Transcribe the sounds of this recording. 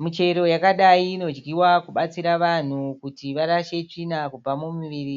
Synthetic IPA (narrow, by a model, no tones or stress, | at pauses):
mit͡ʃe̞ɾo̞jakaɗaiːno̞d͡ʒɡiwakuɓat͡siɾaʋan̤ukutiʋaɾaʃe̞t͡ʂinakub͡vamumiʋiːri